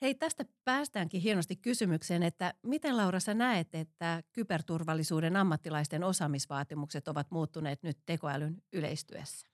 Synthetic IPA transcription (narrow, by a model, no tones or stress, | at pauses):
heit̪æst̪æpæːst̪æːŋkiɦienost̪ikkysymykseːnet̪ːæmit̪enlɑuɾɑsɑnæet̪et̪ːækypert̪urʋɑlːisuːdenɑmːɑt̪ːilɑist̪eno̞sɑːmisʋɑːt̪imukset̪oʋɑt̪muːt̪ːuneːt̪nyt̪te̞koæ̰lynylḛist̪y̰ø̰sːæ̥